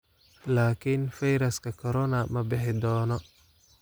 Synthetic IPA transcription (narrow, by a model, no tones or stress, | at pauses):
laːkʰinfɐjɾɐskʰɐkʰɔɾɔnɐmɐbɪħɪd̪ɔːnɔ